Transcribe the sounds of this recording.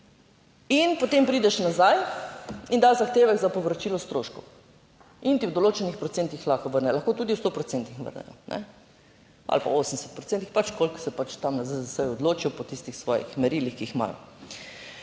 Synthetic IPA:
inpot̪empɾiːd̪ɛʃnazaj | ind̪azaxt̪eːʋɛɡzapoʋɾat͡ʃiːlɔst̪ɾoːʃkɔw | int̪iwd̪oloːt͡ʃɛnixpɾɔt̪sent̪ixlaxaʋəɾnɛlaxkoːt̪ud̪iwst̪opɾɔt͡s̪ent̪ixʋə̰ɾnɛ̰jɔ̰nʔɛ̰ | a̰lpa̰oːsəmsɛt̪̚pɾɔt̪t͡s̪ent̪ixpat͡ʃkolksɛpat͡ʃt̪amnazajzasəjɔd̪loːt͡ʃijɔpɔt̪ist̪ixsʋɔ̰ːjḭxmɛɾilixkiixma̰lɔ̰

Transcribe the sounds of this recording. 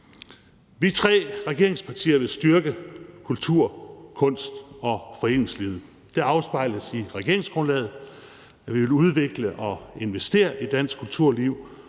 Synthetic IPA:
ʋit͡sʰʁɛ̰ːʁɛɡ̥e̝ɐ̰e̝ŋspʰɑ̈t͡sʰḭːɐʋe̝lsd̥ɶɐɡ̥əkʰult͡sʰuɐ̰kʰɔ̽n̰sd̥ɒ̽fɒ̽e̝̰ːnŋsliːð̩ˠ | d̥e̝ɑ̈ʊsb̥ɑ̈ɪ̰ləsiʁɛɡ̥e̝ɐ̰e̝ŋsɡ̥ʁɔ̽nlɛːð̩ˠ | æʋiʋe̝luð̞ˠʋe̝ɡ̥ləʔɒ̽e̝nʋesd̥e̝̰ːɐʔid̥æn̰sɡ̥kʰːult͡sʰuɐ̰liʊ̰

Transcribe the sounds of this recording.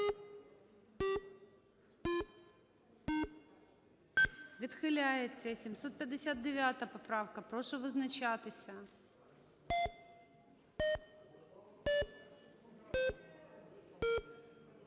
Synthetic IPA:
vʲɪt̪xɨlʲajɪt̪sʲesʲɪmsot̪̚pʲɪdʲɪsʲat̪̚dʲɪvʲat̪əjəpɐpɾafkəpɾoʂɨvɨznɐt͡ɕat̪ɨsʲə

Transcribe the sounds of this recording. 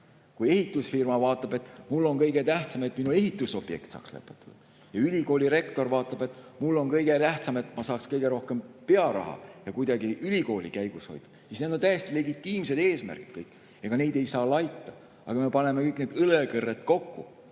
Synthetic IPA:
kue̞ɦit̪ːˑusfirmɑvɑːt̪ːˑɑb̥e̞t̪mulːo̞nkɤjɡ̥et̪æht̪sɑme̞t̪ːminue̞ɦit̪ːˑuso̞b̥je̞̰k̚t̪sɑ̰ːkslḛpːˑe̥t̪ːˑud̪̥ɑ | jɑylʲiko̞ːlʲiɾe̞kt̪o̞rvɑːt̪ːˑɑb̥e̞t̪ːˑmulːo̞nkɤjɡe̞t̪æht̪sɑme̞t̪mɑsɑːkskɤjɡ̥e̞ɾo̞hke̞mpe̞ɑɾɑ̰ɦɑ̰jɑkujd̪ɑɡiʔylʲiko̞ːlʲikæjɡ̥usho̞̰jd̪̥ɑ̥sisne̞d̪ont̪æjest̪ile̞ɡit̪ːˑiːmse̞d̪eːsmæ̰rɡ̥i̥t̪kɤjkː | jɑɡɑne̞jd̪e̞jsɑːlɑjt̪ːɑ | ɑ̰ɡ̥ɑme̞pɑne̞mekɤjkne̞ːd̪ɯlekɤrːet̪ko̞kːu

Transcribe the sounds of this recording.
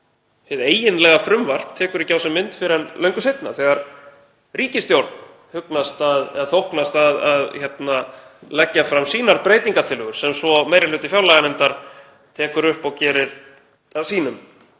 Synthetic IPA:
hɪðeːjɪnlɛɣafɾʏmvar̥t̪t̪ʰːɛːkʏɾɪcaːwsɛmːɪnt̪fɪɾɛnlœɥŋkʏsejt̪na̰θɛɣaɾ | riːcɪst̪jowɾt̪n | hʏknast̪aðθowhknast̪aðaðçɛt̪nalɛcːafɾamsiːnaɾpɾeːjt̪iŋkaɾt̪ʰɪlhʏɣʏɾ̥sɛmsvɔmeːjɾɪlʏːt̪ɪfjawlaɣanɛmt̪aɾ̥ | t̪ʰɛːkʏɾʏhpɔɣcɛːɾɪɾ̥ | asiːnʏm

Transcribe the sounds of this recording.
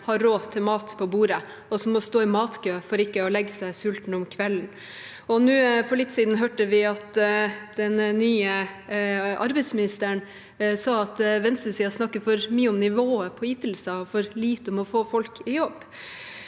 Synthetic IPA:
hɑɾːoːt̪ʰːɪmɑːt̪pʰɔbuːɾə | ɔsɔmːɔst̪oːɪmɑːt̪kʰøːfɔɾɪkːəɔlɛɡːəsæɪsʉlt̪n̩ɔmkʰʋɛln̩ | ɔnʉːfɔɭɪt̪ːsiːd̪n̩ɦøːʈəʋɪɑt̪d̪̥ɛnnyːə | ʔɑ̰ɾbɛɪsmɪnɪst̪əɳ | sɑːɑt̪ʋɛnst̪əsɪːɑsnɑkːəfɔɾmyːəʊmnɪʋoːəpʰɔjɪt̪lsəɔfɔɾliːt̪əɔmɔfoːfɔlkʰɪjɔbː

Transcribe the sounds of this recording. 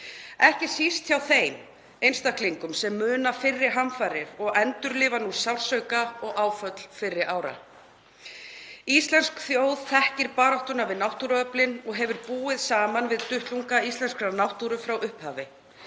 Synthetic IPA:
ɛhcɪsist̪θçawθeːjn | ejnst̪ahkliŋkʏmsɛmːʏːnafɪrːɪɾ̥ɦamfaːɾɪɾ̥ɔɣɛnt̪ʏɾlɪːvanusawlsœɥkaɔɣʔaːwfœt̪l̥fɪrːɪɾʔaːwɾa̰ | ist̪lɛnskθjowð̥θɛhcɪɾpaːɾɔht̪ʏnavɪðnawht̪uɾœplɪnɔɣɦɛvʏɾpuːɪðsaːmanvɪðt̪ʏht̪luŋkaist̪lɛnskɾanawht̪uɾʏfɾawʔʏhphaːvɪ

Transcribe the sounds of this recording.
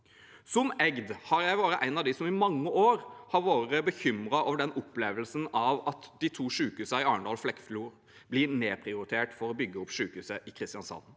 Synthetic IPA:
sɔmɛɡd̪hɑɾjæɪʋɑːɾəʔæɪnɑʋd̪ɪsɔmɪmɑŋːəʔoːɾhɑɾʋoːɾəbəçʏmɾɑʔoːʋəɖɛnɔpːleːʋəlsənɑʋɑt̪d̪̥ɪt̪ʰuːʂʉːkʉːsɑɪɑːəɳɖɑːlflɛkfluːɾ | blɪɾneːpʰɾɪʊɾɪt̪ʰeːʈfɔɾɔbʏɡːəɔpːʂʉːkʉːsəʔɪkʰɾɪst̪ɪɑnsɑ̰n

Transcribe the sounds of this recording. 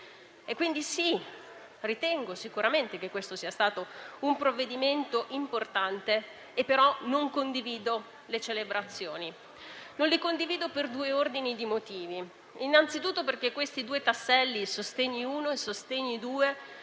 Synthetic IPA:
ekːwind̪isi | rit̪ɛŋɡosikuɾament̪ekekːwest̪osiːast̪aːt̪oumpɾovːed̪iment̪oʔimport̪ant̪eː | pːeɾɔnoŋkond̪iviːd̪o | let͡ʃelebɾat̪sːjoːni | nõnlikond̪iviːd̪operd̪uːeord̪inid̪imot̪iːvi | inːant̪sit̪ut̪ːoperk̟ekːwest̪id̪uːet̪asːɛlːisost̪eɲːiuːnoesost̪eɲːid̪uːe

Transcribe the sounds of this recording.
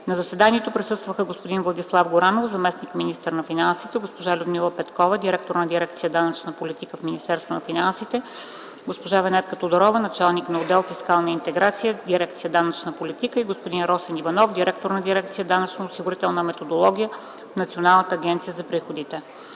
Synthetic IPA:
nɐzɐsɛd̪aniɛt̪opɾisɤst̪vəxəɡospod̪invlˠɐd̪islˠafɡʊɾanovzɐmɛsnikminist̪əɾnɐfinansit̪ɛɡospoʒalʲʊd̪milˠəpɛt̪kɔvəd̪iɾɛk̚t̪oɾnɐd̪iɾɛk̚t̪sijəd̪anɐt͡ʃnəpolit̪ikəfminʲist̪ɛɾst̪vonɐfinansit̪ɛ | ɡospoʒavɛnɛt̪kət̪od̪oɾɔvənɐt͡ʃalˠniknɐod̪ɛlˠfiskalˠnəint̪ɛɡɾat̪sijəd̪iɾɛk̚t̪sijəd̪anət͡ʃnəpolit̪ikəiɡospod̪inɾɔsɛnivɐnɔfd̪iɾɛk̚t̪oɾnɐd̪iɾɛkt̪sijəd̪anət͡ʃnoʊsiɡʊɾit̪ɛlˠnɐmɛt̪od̪olˠɔɡʲijə | fnɐt̪sionalˠnət̪əːɡʲɛnt̪sijəzɐpɾixod̪it̪ɛ

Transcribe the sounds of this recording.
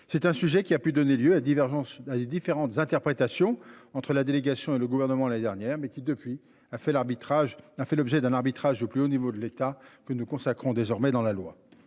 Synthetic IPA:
sɛt̪ɛ̃syʒɛkʲiapyd̪ɔneljøad̪ivɛʒ̃sad̪ed̪ifeʁɑ̃t̪zɛ̃t̪ɛʁpχet̪asjɔ̃ɑ̃t̪χəlad̪eleɡasjɔ̃eləɡuvɛʁnəmɑ̃laned̪ɛʁnjɛːʁmɛkʲid̪əpɥi | afɛlabit̪aʒafɛlɔbʒɛd̪ɛ̃naʁbit̪χaʒd̪əplyonivod̪əlet̪akənukɔ̃sakχɔ̃d̪ezɔʁmɛd̪ɑ̃lalwa̰

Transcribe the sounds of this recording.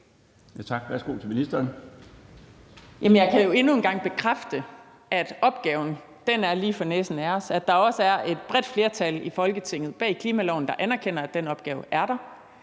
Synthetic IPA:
jæt͡sʰɑ̈ɡ̥ʋæɐsɡ̥o̝̰ːt͡sʰelminisd̥ɐːn | jæmənjɑɪkʰæjo̝e̝nue̝nɡ̥ɑ̈ŋ̰b̥e̝kʰʁafd̥ə | ʔæd̥ɒ̽b̥ɡ̥ɛːʊn̩ | d̥enæɐliːfɒneːsn̩æɐsæd̥ɑ̈ɒ̽səæɐʔe̝d̥b̥ʁɛd̥fle̝ɐt͡sʰælifɒ̽lɡ̥ət͡sʰe̝ŋ̰ð̩ˠb̥ɛ̰ːikʰliːmælɒʊ̰n̩d̥ɑ̈ʔænæɐkʰen̰ɐæd̥enɒ̽b̥̚ɡ̥ɛːʊʔæɐɾ̥ɑ̈

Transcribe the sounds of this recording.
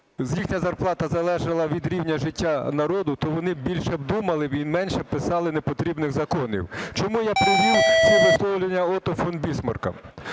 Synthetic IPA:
zʲjixnʲɐzɐrplˠɑt̪ɐzɐlˠɛʒɐlˠɐʋʲid̪ɾʲiwnʲɐʒɪtʲːanɐɾɔd̪ʊt̪ɔʋɔnɪbʲilʲʃɛb̚d̪umɐlˠɪbimɛnʲʃɛpɪsɑlˠɪnepɔt̪ɾʲibnɪɣzɐkɔnʲḭwt͡ʃɔmujapɾɪzussʲɔɦʊslˠɔwlʲenʲːɐɔt̪ɔfɔnbʲismɐ̰rkɐ̰

